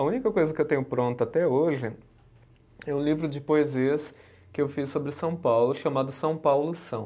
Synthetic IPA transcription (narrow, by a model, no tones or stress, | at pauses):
ũnikɐkojzɐkɪewt̪ẽɲʊpɾõnt̪ʊat̪ɛoʒɪ | ɛũlivɾʊd͡ʒɪpoeziɐs | kɪewfisːobɾɪsɐ̃w̃pawlʊʃamad̪ʊsɐ̃w̃pawlʊsɐ̃w̃